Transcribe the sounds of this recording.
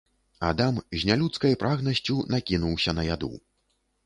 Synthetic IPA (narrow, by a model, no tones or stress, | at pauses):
ad̪amʑʲnʲalʲut̪skɐjpɾʔaɣnɐsʲt͡sʲunakʲinuwsʲɐnɐjad̪ṵw